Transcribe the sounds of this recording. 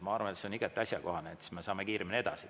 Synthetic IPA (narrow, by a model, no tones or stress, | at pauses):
mɑɑrvɑnet̪seoniɡ̥et̪ːˑɑsʲjɑko̞ɦɑneet̪smesɑːmekiːɾeminee̞d̪̥ɑsi